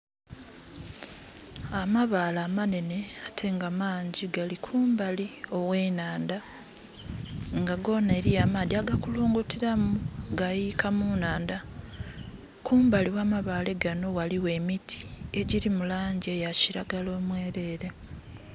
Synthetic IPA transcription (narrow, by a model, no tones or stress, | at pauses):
amaβalaːmane̞ne̞atʰe̞ŋɡamaːɲɟiɡalikʰuːmbalio̞we̞ːnaːnda | ŋɡaɡo̞ne̞ːɾijamaːdiaɡakuluːŋɡutiɾamuɡajikʰamunaːnda | kuːmbaliwamaβaːle̞ɡano̞waliwe̞ːmitʰi̥e̞ɟiɾimulaːɲɟe̞jaciɾaɡalo̞ːmwe̞ːɾe̞ːɾe̞